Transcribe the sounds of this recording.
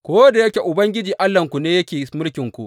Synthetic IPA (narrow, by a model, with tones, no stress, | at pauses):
kʷoː˦da˨jɐ˦kʲe˨ʔʊ˨bɐ˦ŋɡʲɪ˦d͡ʒiː˨ʔa˦lːɐ˨ŋkʷu˨neː˦jɐ˦kʲeː˨mʊ˦lkʲɪ˨ŋkʷu˨ʔ